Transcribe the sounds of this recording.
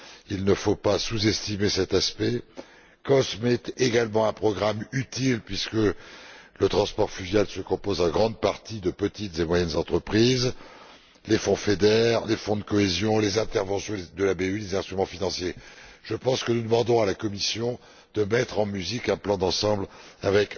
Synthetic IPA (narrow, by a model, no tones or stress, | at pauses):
ilnəfopasuzɛst̪imesɛt̪aspɛ | kɔsmɛt̪eɡalmɑ̃ɛ̃pχɔɡʁamyt̪ilpɥiskələt̪χɑ̃spɔʁfyʒjalsəkɔ̃pozɑ̃ɡʁɑ̃d̪paʁt̪id̪əpət̪it̪zemwajɛnzɑ̃t̪χəpχiz | lefɔ̃fed̪ɛʁlefɔ̃d̪əkɔezjɔ̃lezɛ̃t̪ɛʁvɑ̃sjɔ̃d̪əlabeylezɛ̃st̪χymɑ̃finɑ̃sjeʒ̥əpɑ̃skənud̪əmɑ̃d̪ɔ̃alakɔmisjɔ̃ | d̪̥əmɛt̪χɑ̃myzikɛ̃plɑ̃d̪ɑ̃sɑ̃blavɛk